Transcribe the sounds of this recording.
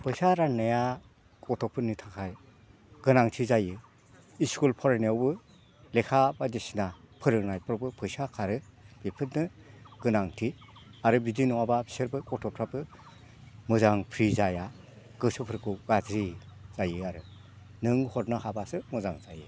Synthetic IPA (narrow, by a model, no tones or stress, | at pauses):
pʰɯjsaɾanːɯja | kʰʼɔtʰɔpʰɯnitʰakʰaj | ɡ̥ɯnaŋtʰizajɯ | iskulpʰɔɾaniawbɯ | lekʰabadisina | pʰɯɾɯŋnajpʰɾɔbɯpʰɯjsakʰaɾɯb̥ipʰɯtnɯɡ̥ɯnaŋtʰiaɾɯbidinɔwabḁseɾbɯkʰʼɔtʰɔpʰɾapɯ | mɯzaŋpʰɾizaja | ɡ̥ɯsɯpʰɯɾkʰɯwɡazɾiz̥ajɯaɾɯ | nɯŋhɔɾnɯhabasɯmɯzaŋzajɯ